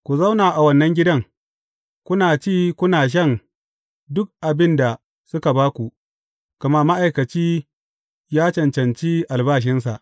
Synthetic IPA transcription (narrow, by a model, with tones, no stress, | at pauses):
kʷu˨zɐ˦wnaː˨ʔa˨wɐ˦nːɐ˦ŋɡʲɪ˦dɐ˦ŋ | kʷʊ˦naː˨t͡ʃiː˦kʷʊ˦naː˨ʃ̬ɐ˦n | dʊ˦k̚ʔa˨bɪ˦nda˨ | sʊ˦ka˨baː˦kʷu˨ʔ | kɐ˨ma˦ma˦ʔa˨jkɐ˨t͡ʃiː˦ | jaː˦t͡ʃɐ˨nt͡ʃɐ˨nt͡ʃiː˦ʔa˨lbaː˦ʃ̬ɪ˦ns̬a̰˨ʔ